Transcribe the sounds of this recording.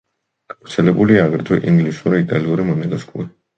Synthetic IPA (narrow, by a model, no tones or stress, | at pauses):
ɡ̥av̥ɾt̪sʰɛlɛbuliaːɡɾɛt̪ʰɔʔiŋɡlisuɾait̪ʼaliuɾimɔnɛɡaskʼṵɾi